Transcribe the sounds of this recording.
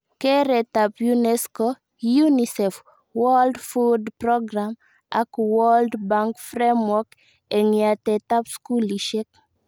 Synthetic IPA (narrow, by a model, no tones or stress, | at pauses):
keɾɛt̪apjunɛsko | junisɛf | wɔldfudpɾɔɡɾam | akwɔldbaŋkfɾemwɔk | eŋɪatɛtapskuliʃek̚